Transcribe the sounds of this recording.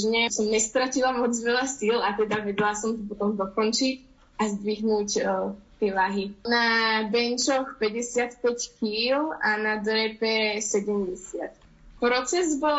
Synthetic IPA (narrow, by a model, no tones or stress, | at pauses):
ʒɲɛsɔmɲɛst̪ɾacilamɔd͡zʋɛlasilat̪ɛd̪aʋɛd̪lasɔmt̪ɔp̬ɔt̪ɔmd̪ɔkɔnt͡ʃic | ʔazd̪ʋiɦnuːct̪ɪɛlaɦinabɛnt͡ʃɔxpɛɟɛsɪat̪pɛckiːlanad̪ɾɛpɛsɛɟɛmɟɛsɪat̪ | pɾɔt͡sɛzbɔl